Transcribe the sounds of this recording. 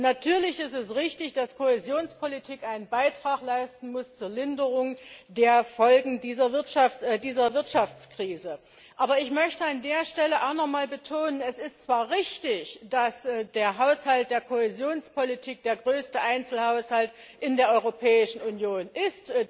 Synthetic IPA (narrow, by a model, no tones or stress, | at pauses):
natʰyːɐlɪçɪstɛsʁɪçtɪçd̥askʰohɛzjoːnspʰolitʰiːkʔaɪnənbaɪtʁ̥aːχlaɪstn̩mʊst͡suːɐlɪndəʁʊŋdeːɐfɔlɡŋ̩diːzɐvɪɐtʃaftdiːzɐvɪɐtʃaft͡skʁ̥iːzə | ʔaːbɐɪçmœçtəandeːɐʃtɛləʔaʊxnɔχmaːlbətʰoːnənɛsɪstt͡sv̥aːɐʁɪçtɪçd̥asdeːɐɦaʊshalt̚d̥eːɐkʰohɛzjoːnspolitʰiːk̚d̥eːɐɡʁøːstəʔaɪnt͡sl̩haʊshalt | ʔɪndeːɐʔɔʏʁopʰɛːɪʃn̩unjoːnʔɪst